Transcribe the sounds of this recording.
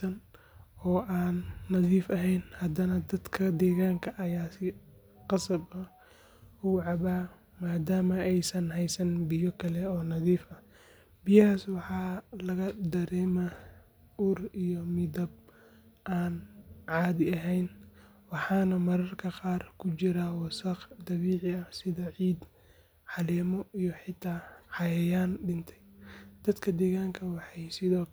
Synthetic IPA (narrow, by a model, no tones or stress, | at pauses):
ɐn | ɔːʔaːnːɐðiːfɐɦɛjnhɐd̪ɐnɐd̪ɐd̪kʰɐd̪ɛːɣaːŋkʰɐʔɐjaːsɪ | qɑsɐbɐ | uːʕɑβaː | maːd̪aːmɐɛjsɐnɦɛjsɐnbɪjɔkʰɐlɛɔːnɐðiːfɐ | bɪjaːswɑħɑːlɐɣɐd̪ɐɾɛːma | ʔuːrijɔmɪd̪ɐb̚ | ʔaːnʕɑːðɪɐɦɛjn | wɑħɑːnɐmɐɾɐrkʰɐqɑːrkʰʊt͡ʃɪɾawɑsɐqd̪ɐβiːʕɪɐsɪðɐʕiːd̪ | ʕɑlɛːmɔʔijɔħɪt̪ʰːaːħɑjɐjaːnɖɪnt̪ʰɛ̥jd̪̥ɐd̪kʰɐd̪ɛːɣaːŋkʰɐwɑħɑjsɪðɔː